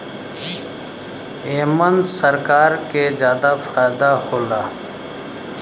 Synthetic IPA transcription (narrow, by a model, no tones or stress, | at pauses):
eːmənd̪səɾkaːɾkezjaːd̪afaːjd̪ahoːlaː